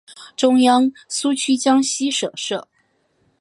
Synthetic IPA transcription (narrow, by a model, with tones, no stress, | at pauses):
ʈ͡ʂʊ˥ŋjɑ˥ŋsu˥t͡ɕʰy˥t͡ɕjɑ˥ŋɕi˥ʂɤ̰˨˩ʂɤ˥˩